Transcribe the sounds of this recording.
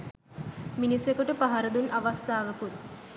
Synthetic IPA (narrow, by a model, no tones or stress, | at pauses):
minisjekəʈəpaɦɐɾɐd̪unɐʋɐst̪aːʋəkut̪̚